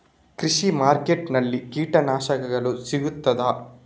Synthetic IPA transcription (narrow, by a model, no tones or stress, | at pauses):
kɾiʂimaːɾkeʈnɐlːikiːʈɐnaːʃɐɡɐɡɐɭusiɡut̪ːɐd̪ɐ